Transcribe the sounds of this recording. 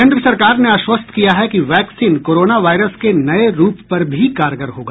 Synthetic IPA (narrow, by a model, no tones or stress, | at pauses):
ẽːnd̪ɾəsɐɾkaːɾneaːʃwəst̪ʰkijaɦɛkiʋɛːksiːnkoːɾoːnaʋaːɪɾəskenɐeɾuːppɐɾbʱikaːɾɡəɾɦoːɡa̰ː